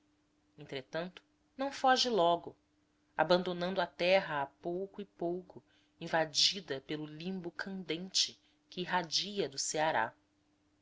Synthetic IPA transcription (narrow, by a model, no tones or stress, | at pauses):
ẽnt̪ɾet̪ɐ̃nt̪ʊ̥ | nɐ̃w̃fɔʒɪlɔɡʊ | a̰bɐ̃nd̪onɐ̃nd̪ʊɐt̪ɛɦɐːpowkʊɪpowkʊ | ĩvad͡ʒid̪ɐpelʊlĩmbʊkʰɐ̃nd̪ẽnt͡ʃɪ | kɪːɦad͡ʒiɐd̪ʊseaɾa̰